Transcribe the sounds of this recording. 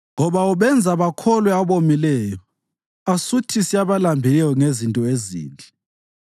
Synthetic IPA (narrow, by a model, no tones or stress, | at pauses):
ŋɔβauβɛnd͡zʱaβakʰɔlwɛaβomilɛːjɔ | asutʰisiaβalambʱilɛjɔŋezintʼɔezḭːnd͡ɮʱɛ